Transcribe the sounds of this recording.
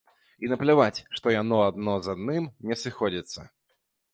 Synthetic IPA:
inɐplʲavat͡sʲʂt̪ɔjanɔad̪nɔzad̪̚nɨmnʲɛsɨxɔd͡zʲit̪sːɐ̰

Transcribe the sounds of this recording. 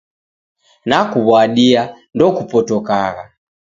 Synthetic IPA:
nakuβwaɗia | ndɔkupɔtɔkaɣa̰

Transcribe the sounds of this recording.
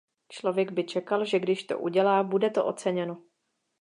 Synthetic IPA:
t͡ʃlo̞vjɛɡ̚bɪt͡ʃɛkalʒɛɡdɪʃt̪o̞̰ʔuɟɛlaːbudɛt̪o̰ʔo̞t͡sɛɲɛno

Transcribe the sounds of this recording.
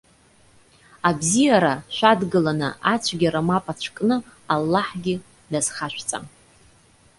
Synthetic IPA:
abzijaɾaʃʷadɡɨlanɨ̰ʔat͡ɕʷʰɡʲiɾamapʼat͡ɕʷʰkʼnɨalːaħɡʲɪ | daz̥χaʃᶣʷt͡sʼa̰

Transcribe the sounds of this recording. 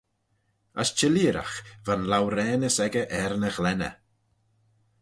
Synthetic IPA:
əst͡ʃɪliɾa̰xvanlawɾɛːnəsɛɡəʔɛɾnəɣlɛnə̰

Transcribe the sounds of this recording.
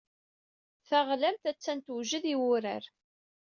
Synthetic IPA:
θæʁlæmt̪æt͡sːænt̪wʒəðiwʊɾə̰ɾ

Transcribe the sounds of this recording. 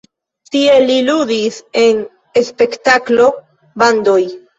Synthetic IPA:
tie̞liludise̞n | espe̞ktaklo̞ | band̪o̞j

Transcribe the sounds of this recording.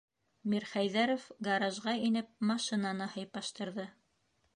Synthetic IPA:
miɾχæjðæɾofɡɑɾɑʒʁɑinɘp̚mɑʃinɑnɤhɤ̆jpɑʃt̪ɤ̆ɾðɤ

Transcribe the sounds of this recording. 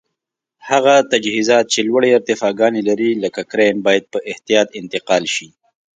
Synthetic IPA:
haɣat̪ad͡ʒhizɑːt̪̚t͡ʃelwəɽeɪɾt̪ɪfɑːɡɑnelaɾiləkakɾenbɑːjad̪̚pəʔɪht̪ijɑːt̪ɪnt̪ɪqɑːlʃi

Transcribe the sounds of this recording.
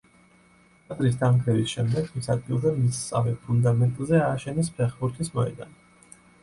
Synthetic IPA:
kʼad̪ɾisd̪amkʰɾɛbisʃɛmd̪ɛɡmisad̪̚ɡilˠzɛmist̪sʼa̰vɛpʰund̪amɛnt̪ʼzɛaːʃɛnɛspʰɛχbuɾt̪ʰismɔɛ̰d̪a̰n

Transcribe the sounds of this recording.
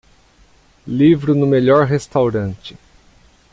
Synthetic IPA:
livɾʊnʊmeʎɔɾɦest̪awɾɐ̃nt͡ʃɪ

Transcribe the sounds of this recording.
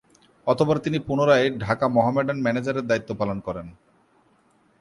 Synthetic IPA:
ɔt̪ʰobaɾt̪inipunoɾaeɖʱakamɔɦamːeɖanmɛned͡ʑaɾeɾd̪ait̪ːopalonkɔɾen

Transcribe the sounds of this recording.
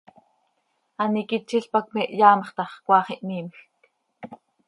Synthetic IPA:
anikit͡ʃiɬpakmiʔjɑːmχt̪ɑχkʷɑːχiʔniːmxk̪

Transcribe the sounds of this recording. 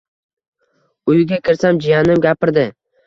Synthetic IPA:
ʊjɡʲakʲɪɾsamd͡ʒijanɪmɡʲapʰɪɾd̪ɪ

